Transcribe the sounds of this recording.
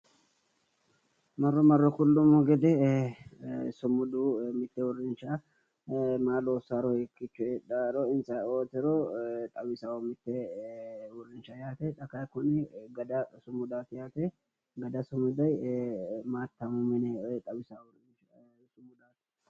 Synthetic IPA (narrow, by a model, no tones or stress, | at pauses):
mɐrːɔmɐrːɔkʊlːʊmːɔɡɛd̪ɛ | sʊmʊd̪umɪt̪ːɛwʊrːɪnt͡ʃa | maːloːsaɾɔɛkːɪt͡ʃːʊɛᶑaɾɔɪnsɐoːt̪ɪɾot̪ʼɐwɪsawɔmɪt̪ːɛ | wʊrːɪnt͡ʃɐjaːt̪ɛᶑ̪ɐkakʊnɪɡɐd̪ɐsʊmʊd̪aːt̪jaːt̪ɛ | ɡɐd̪ɐsʊmʊd̪ɐj | maːt̪ːɐmʊmɪnɛt̪ʼɐwɪsaw | sʊmʊd̪aːt̪